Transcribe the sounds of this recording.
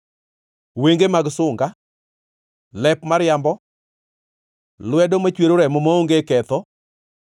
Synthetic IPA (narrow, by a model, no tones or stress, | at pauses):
weŋɡemaɡsʊŋɡa | lɛpmaɾjambɔ | lwɛdomat͡ʃweɾoɾɛmɔmaoŋɡekɛt̪ɔ